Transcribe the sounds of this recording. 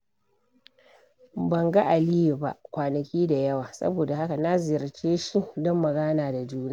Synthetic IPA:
bɐ˨ŋɡa˦ʔa˨li˦ju˨ba̰˦ʔkʷaː˨nɐ˨kʲiː˦da˨jɐ˦waː˨sɐ̰˦boː˨da˨ha˦ka˨na˦zɪ˨jɐ˨ɾt͡ʃeː˦ʃi˦dɔ˦mːɐ˨ɡaː˦naː˨da˨d͡ʒuː˦na˦˨

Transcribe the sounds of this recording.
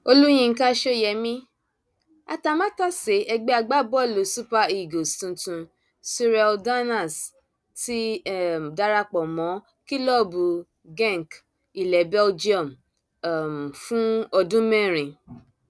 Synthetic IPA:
o˧lu˦j̃ĩ˧ŋ̩˦ka˦ʃo˦jɛ˨mĩ˦ | a̰˧ta˨˧mã˦ta˦se˨˦ʔɛ˧ɡ͡bɛ˦a˧ɡ͡ba˦bɔ˦˨lo˨˦su˦pa˧i˨ɡo˨stũ˧tũ˧ | si˧ɾɛ˧lda˦na˦˨s | ti˦˨da˦ɾa˧k͡pɔ˨mɔ̃˨˦ | ki˦lɔ˦˨bu˨ | ɡɛ̃˦˨ŋ˨k | i˨lɛ˨bɛ˦ld͡ʒi˦ɔ˨m˨ | m˨fũ˦ɔ˧dũ˦mɛ̃˦˨ɾ̃ĩ˨

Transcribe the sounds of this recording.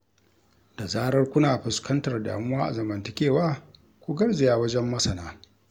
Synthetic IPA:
da˨zaː˦ɾɐ˦rkʷʊ˦naː˨ɸɪ˨skɐ˦ntɐ˨rda̰ː˨mʊ˦waː˦ʔa̰˨zɐ˨mɐ˨ntɪ˦kʲeː˦˨waː˦ | kʷu˦ɡɐ˦ɽzɪ˨jaː˦wɐ˦d͡ʒɛ˦mːɐ˦sɐ˨naː˦

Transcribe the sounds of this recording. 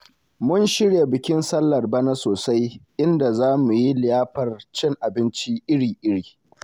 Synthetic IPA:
mʊ˦nʃɪ˦ɽje˨bɪ˨kʲɪ˦nsɐ˦lːɐ˨rba˦na˦soː˨sa˦jʔɪ˦nda˨zaː˦mu˨ji˦lɪ˨jaː˦ɸɐ˨rt͡ʃɛ˦ŋʔa˨bɪ˦nt͡ʃi˦ʔɪ˦ɽiː˨ʔɪ˦ɽiː˨

